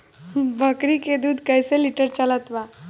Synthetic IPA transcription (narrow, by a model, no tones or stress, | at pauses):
bʱəkɾiked̪uːd̪ʱkəjseliʈəɾt͡ʃələt̪ʋa